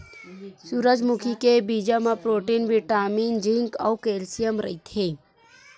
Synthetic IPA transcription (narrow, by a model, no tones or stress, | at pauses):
suɾəd͡ʒmukʰikebid͡ʒamãpɾoːʈiːnʋiʈaːmiːnd͡ʒĩŋka̰wkeːlsijəmɾə̰it̪ʰe